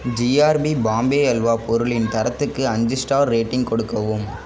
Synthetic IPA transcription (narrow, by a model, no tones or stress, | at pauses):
d͡ʒiaːɾbibaːmbeːɛlʋaːpɔɾɯɭɪnt̪ɐɾɐt̪ːɯkːɯɐɲd͡ʒɯsʈaːɾːeːʈːɪŋɡ̚kɔɽɯkːɐʋɯm